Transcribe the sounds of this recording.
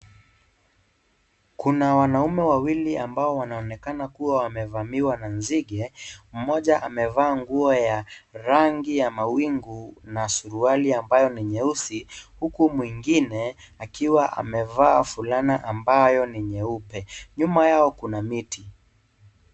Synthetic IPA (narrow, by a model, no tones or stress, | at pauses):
kunawanaumɛwawiliambaɔwanaɔnɛkanakuwawamɛvamiwananziɠɛm̩mɔʄaʔamɛvaːŋɡuɔjaɾaŋɡijamawiŋɡunasuɾualiambajɔniɲɛusihukumwiŋɡinɛ | akiwaʔa̰mɛvaːfulanaʔambajɔniɲɛupɛɲumajaɔkunamiti